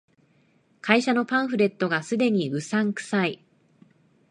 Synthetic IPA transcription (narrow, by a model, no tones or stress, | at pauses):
kaiɕano̞pãɰ̃ɸɯ̟ɾe̞t̪ːo̞ɡasɨd̪e̞ɲ̟iɯ̟sãŋkɯ̟̥sai